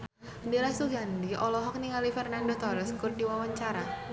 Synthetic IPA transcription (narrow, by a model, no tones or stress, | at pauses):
diɾasuɡandiʔɔlɔɦɔk̚niŋalifɛrnandɔt̪ɔɾɛskurdiwawaɲt͡ʃaɾa